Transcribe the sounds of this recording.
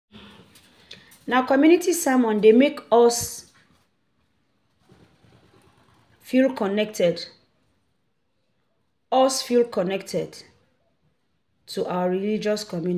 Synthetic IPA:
naʊkɔmjunitisamɔ̃ndemekɔs | filkɔnɛk̚tɛd | ɔsfilkɔnɛk̚tʰɛd | tʰuʔawaɹilid͡ʒɔskɔmjun

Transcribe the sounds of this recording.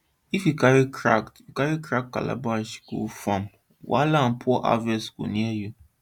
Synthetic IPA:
ifjukaɹikʰɹaktjukaɹikɹak̚kːa̰la̰baʃko̰fãm | wa̰lan̩pʰɔʔa̰vɛsɡo̰niɛju

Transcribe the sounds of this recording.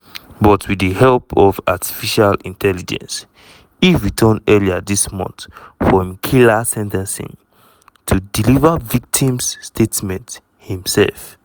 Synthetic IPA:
bɔtʰwidəhɛlpʰɔva̰tʰi̥fiʃalĩntʰɛlid͡ʒɛ̰̃ns | hiɹitʰənɛliaðismɔ̰̃nθfɹɔ̃mkʰilasɛ̃ntɛ̃nsḭ̃n | tʰudilivəvik̚tʰĩmsːtʰetmɛ̃nt | hĩmsɛ̰lf

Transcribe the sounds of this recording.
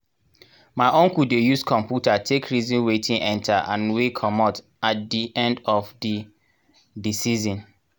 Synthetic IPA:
maɪʔɔ̃ŋkudejuskʰɔ̃mpjutatʰekʰɹizĩnwetʰĩŋʔɛ̃ntʰaʔã̰nwekʰɔmɔt | at̚diʔɛ̃ndɔfdi | disizɔ̃n

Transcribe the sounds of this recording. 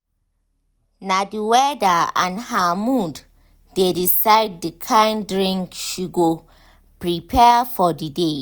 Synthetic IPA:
nadiwɛdaã̰nhamud | dedisaɪd̚dikʰãɪndɹĩŋkʃuɡo | pɹipʰɛfɔdide

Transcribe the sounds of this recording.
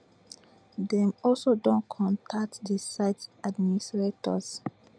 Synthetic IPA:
dɛ̃mɔlsodõnkʰɔ̃ntʰak̚tdisaɪtadministɹetɔ̰s

